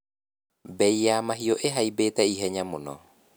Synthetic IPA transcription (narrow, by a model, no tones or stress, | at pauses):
bɛijaːmaɦioʔeɦaibeːtɛiɦɛɲamonɔ̰